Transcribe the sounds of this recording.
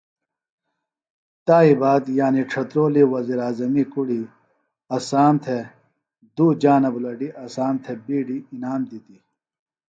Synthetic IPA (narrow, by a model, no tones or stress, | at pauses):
t̪aːibaːd̪jaːniʈ͡ʂʰɐt̪ɾoːliwɐziːɾaːzɐmikuɽi | ɐsaːnt̪ʰe | d̪uːd͡ʑaːnɐbulɐɖiʔɐsaːnt̪ʰebiːɖiinaːmd̪it̪i